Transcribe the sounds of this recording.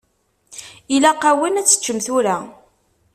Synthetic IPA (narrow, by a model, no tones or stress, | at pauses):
ilaqːæwənæt͡sːə̥t͡ʃːəmθuɾæ